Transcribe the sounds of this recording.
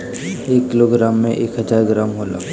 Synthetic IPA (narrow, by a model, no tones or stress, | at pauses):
eːkːɪloɡɾaːmːẽʔeːkɦəd͡ʒaːɾɡɾaːmɦoːla̰ː